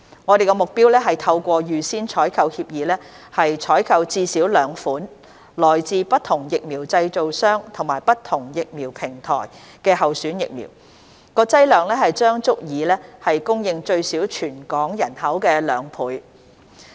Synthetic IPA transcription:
ŋɔː˨˧ɾe˨jkɛ˧mʊ˨k̚piː˥wlɛː˥ɦɐ˨jt̪ʰɐ˧wkʷɔː˧jyː˨siː˥nt͡ʃʰɔː˨˥jkʰɐ˧whiː˧p̚jiː˨˧lɛː˥ | hɐ˨jt͡ʃʰɔː˨˥jkʰɐ˧wt͡siː˧siː˨˥wlœː˨˧ŋfuː˨˥n | lɔː˨˩jt͡siː˧pɐ˥t̚t̪ʰʊ˨˩ŋjɪ˨k̚miː˨˩wt͡sɐ˧jt͡so˨wsœː˥ŋt̪ʰʊ˨˩ŋmaː˨˩jpɐ˥t̪ʰʊ˨˩ŋjɪ˨k̚miː˨˩wpʰɪ˨˩ŋt̪ʰɔ̰ː˨˩j | kɛː˧hɐ˨wsyː˨˥njɪ̰˨k̚mḭ˨˩w | kɔː˧t͡sɐ˥jlœː˨ŋlɛː˥hɐ˨jt͡ʃœː˥ŋt͡sʊ˥k̚jiː˨˧lɛː˥hɐ˨jkʊ˥ŋjɪ˨ŋt͡ʃɵ˧ɥsiː˨˥wt͡ʃʰyː˨˩nkɔː˨˥ŋjɐ˨˩nhɐ˨˥wkɛː˧lœː˨˧ŋpʰuː˨˥j

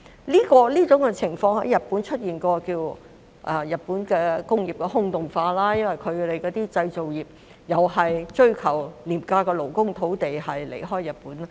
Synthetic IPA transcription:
liː˥kɔː˧liː˥t͡sʊ˨˥ŋkɛ˧t͡sʰɪ˨˩ŋfɔː˧ŋhɐ˨˥jːɐ˨t̚pu˨˥nt͡ʃʰɵ˥t̚jiː˨nkɔː˧kiː˧w | ʔɐ˨˩jɐ˨t̚puː˨˥nkɛː˧kʊ˥ŋjiː˨˩p̚kɛː˧ɦʊ˥ŋt̪ʊ˨˩ŋfaː˧laː˥jɐ˥nwɐ˨jkʰɵ˨˧t̪e˨jkɔː˨˧t̪iː˥t͡sɐ˧jt͡so˨wjiː˨˩p̚ | jɐ˨whɐ˨jt͡ʃɵ˥ɥkʰɐ˨˩wliː˨˩mkaː˧kɛː˧lo˨˩wkʊ˥ŋt̪ʰo˨˥wt̪e˨jhɐ˨jlḛ˨˩jɦɔː˥jːɐ˨t̚puː˨˥n˥

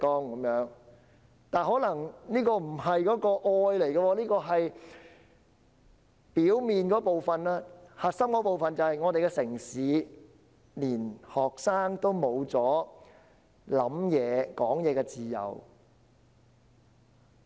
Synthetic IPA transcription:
kɔː˥ŋkɐ˨˧˦mjœː˨˥ŋ | t̪aː˨nɦɔː˨˥lɐ˨˩ŋniː˥kɔː˧m̩˨˩hɐ˨jkɔː˨˥kɔː˧ʔɔː˧jle˨˩jɡɐ˧wɔː˧˥liː˥kɔː˧ɦɐ˨j | piː˨˥wmiː˨nkɔː˨˥po˨wfɐ˨nlaː˥hɐ˨t̚sɐ˥mkɔː˨˥po˨wfɐ˨nt͡sɐ˨whɐ˨jŋɔ˨˧e˨jkɛ˧sɪ˨˩ŋsiː˨˥ | liː˨˩nhɔː˨k̚saː˥ŋt̪o˥wmo˨˧wt͡sɔː˨˥ | lɐ˨˥mjɛː˨˧kɔː˨˥ŋjɛː˨˧kɛ˧t͡siː˨jɐ̰˨˩w

